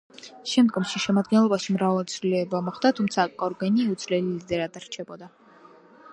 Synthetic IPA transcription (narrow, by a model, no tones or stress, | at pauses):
ʃɛmd̪ɡɔmʃiʃɛmad̪̚ɡɛnlˠɔbaʃimɾavalt̪sʰvilɛbamɔχd̪at̪ʰumt̪sʰakʼɔɾɡɛniɛut̪sʰvlɛlilid̪ɛɾad̪aɾt͡ʃʰɛbɔd̪a